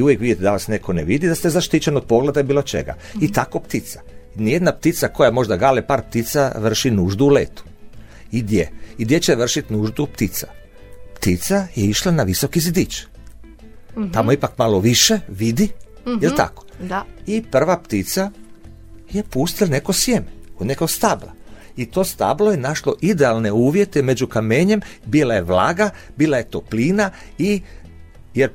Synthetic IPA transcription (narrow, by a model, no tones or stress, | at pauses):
iujekʋid̪jit̪ed̪aʋasnekʰonḛʋid̪id̪ast̪ezaʃt̪it͡ʃenod̪̚po̞ɡled̪abiːlot͡ʃe̞̰ɡa̰ | it̪ako̞pt̪it̪sḁnijed̪napt̪it̪sako̞jamo̞ʒd̪aɡalepaːɾp̚t̪it̪saʋr̩ʃinuːʒd̪uːleːt̪u̥ | id̪jeid̪jet͡ɕeʋr̩ʃit̪nuːʒd̪upt̪it̪sa̰ | pt̪it̪sajeiʃlanaʋisokizid̪it͡ʃ | t̪amoipakmaloʋiʃe̞ʋid̪i | jilt̪a̰ko̥ipr̩ʋapt̪it̪sa | je̞puːst̪ilane̞kosjemeod̪nekoɡst̪abla̰it̪o̞ːst̪a̰blo̞jenaʃloʔid̪ealne̞uːʋje̞t̪ɛme̞d͡ʑukame̞ɲembilajeʋlaːɡabiːlajet̪opliːna | i | jeɾ